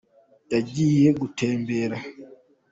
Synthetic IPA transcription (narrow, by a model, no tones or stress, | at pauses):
jaɟiːjeɡutʰeːmbeɾa